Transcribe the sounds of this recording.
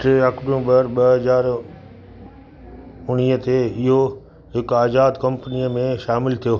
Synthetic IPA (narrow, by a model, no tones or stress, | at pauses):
ʈɾeɐkɖũbəɾɓɐɦɐzaːɾ | ʊñiːɦət̪ʰeɪɦo | ɦɪkaːzaːd̪kɐ̃mpniəmẽʃaːmɪlt̪ʰijoː